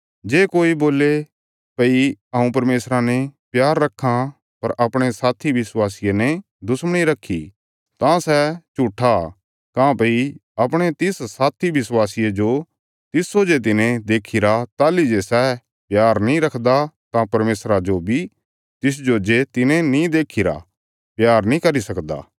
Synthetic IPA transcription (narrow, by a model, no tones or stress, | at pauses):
d͡ʒeːkoːiboːle | pɐiɐũpɐɾmeːsɾanɛpjaːɾːɐkʰːã | pɐɾʔɐpɽ̃esaːt̪ʰiʋɪswaːsijenɛ̃ | d̪ʱʊsməɽ̃iɾɐkʰːi | t̪ãsɛt͡ʃuːʈʰa | kãpɐiɐpɽ̃et̪ɪssaːt̪ʰiʋɪswaːsijed͡ʒo | t̪ɪsːoːd͡ʒet̪̬ɪnẽd̪eːkʰɪɾat̪aːlid͡ʒesɛ | pjaːɾnĩɾɐkʰd̪at̪ãpɐɾmeːsɾad͡ʒobʱi | t̪ɪs̬d͡ʒoːd͡ʒet̪ɪnẽnĩd̪eːkʰɪɾa̰ | pjaːɾnĩkɐɾisɐkd̪a̰ː